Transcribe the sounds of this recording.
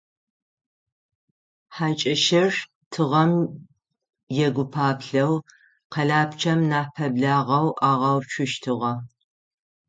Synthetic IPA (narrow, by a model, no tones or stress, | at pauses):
ħaːt͡ʃʼɐʃɐr | tʰɨʁɐm | jɛɡʷʊpʰaːpɬɐw | qɐɮaːpt͡ʃʰɐmnaːpʰɐbɮaːʁɐwʔaːʁɐwt͡ʃʷʰʊʃtʰɨʁɐ